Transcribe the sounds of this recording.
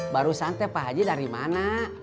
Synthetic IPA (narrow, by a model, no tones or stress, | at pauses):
baɾusant̪ɛpaɦad͡ʒidaɾima̰na